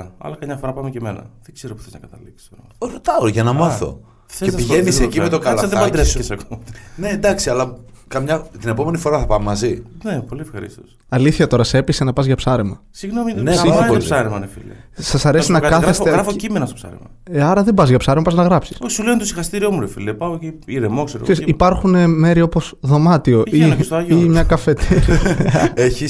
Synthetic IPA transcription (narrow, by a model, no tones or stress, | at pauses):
ɐ̰lɐkɐmɲɐfoɾɐpɐmecemenɐ̰ðeɡz̥eɾopu̥θeznɐ̰kɐt̪ɐliksi̥sɾoɾot̪ɐoʝɐnɐmɐθo̞̰ | cepiʝenisecimet̪okɐlɐɐðebɐd̪eesɐkomne̞nd̪ɐksiɐlɐkɐmɲɐt̪ine̞po̞me̞nifo̞ɾɐθɐpɐmemɐzinepo̞liefxɐɾḭst̪os | ɐliθçɐt̪o̞ɾɐsepisenɐpɐzʝɐpsɐɾemɐ | siɣnomineosɐɾemɐnefḭlḛsɐsɐɾe̞sinɐkɐθɣɾeseɣɾɐfocimenɐstopsɐ̰ɾḛmɐ̰ | ɐɾɐðembɐzʝɐpsɐɾemɐpɐznɐɣɾɐpsi̥sosuleont̪osixɐst̪iɾiomuɾefḭlepɐociiɾemokseɾo̰seɾsipɐɾxune̞me̞ɾio̞po̞sðo̞mɐt̪io̞ʔist̪oɐʝimɲɐkɐfe̞t̪ʰiɾieçi